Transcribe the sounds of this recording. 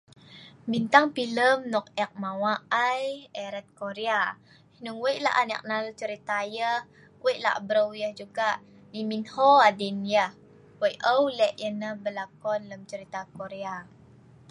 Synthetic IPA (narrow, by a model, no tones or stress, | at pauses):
bint̪aŋpiləmnɔk̚ɛk̚mawaʔajɛɾɛt̪̚koɾea | hinuŋwəjʔla̰ʔanə̰k̚nalut͡ʃəɾit̪ajəh | kwəjʔla̰ʔbɾəwjəhd͡ʒuɡaʔ | niminhoadinjəh | wəjʔʔəwlɛʔjənəhbəlakɔnləmt͡ʃəɾit̪akoɾea